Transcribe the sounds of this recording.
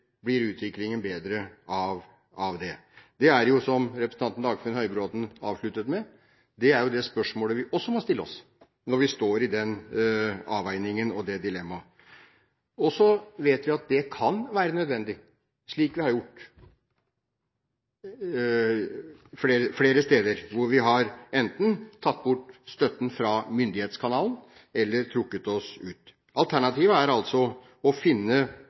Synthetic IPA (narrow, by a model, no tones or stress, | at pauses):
blɪɾʉːt̪ʰʋɪklɪŋənbeːd̪ɾəɑʋ | ɑʋd̪ɛd̪ɛæɾjʊsɔmɾɛpɾəsəɑnt̪nd̪ɑːɡfnhœʏbɾoːd̪n̩ɑ̰ːʋʂɭʉt̪ːət̪mɛ | d̪ɛæɾjʊd̪ɛspœʂmoːləʋɪʔɔsːɔmɔst̪ɪlːɔs | nɔɾʋɪst̪oːɾɪd̪ɛn | ɑːʋæɪnɪŋənɔd̪ɛd̪ɪlɛmːɑ | ɔsɔʋeːt̪ʋɪɑt̪̚d̪ɛkʰɑnʋæːɾənœd̪ʋɛnd̪ɪ | ʂɭiːkʋɪhɑɾjʊʈː | fleːɾəfleːɾəst̪eːd̪əɾʋʊɾʋɪɦɑɾɛnt̪n̩t̪ʰɑt̪ːbʊʈːst̪œt̪ːn̩fɾɑmʏnd̪ɪheːt̪skʰɑnɑːlən | ɛlːəɾt̪ʰɾʊkːət̪ɔsʉːt̪ | ʔɑlt̪ʰæɳɑt̪iːʋəæɾɑlt̪sɔ | ɔfɪnːə